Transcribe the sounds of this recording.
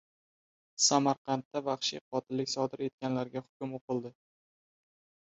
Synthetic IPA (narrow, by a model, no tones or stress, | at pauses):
samaɾqʰɑnt̪ːavɑχʃiqʰɒt̪ʰɪlːɪkʲsɒd̪ɪɾe̞t̪̚kʲanlaɾɡʲahʊ̥kʲʊmoqɨlˠd̪ɪ